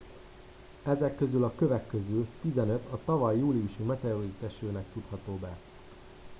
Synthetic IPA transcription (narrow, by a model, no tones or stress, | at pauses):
ɛzɛkːø̞zylɒkøvɛkːøzyːt̪izɛnø̞t̪ɒt̪ɒvɒjːuːlijuʃimɛt̪ɛorit̪ɛʃøːnɛk̚t̪ut̪hɒt̪oːbɛ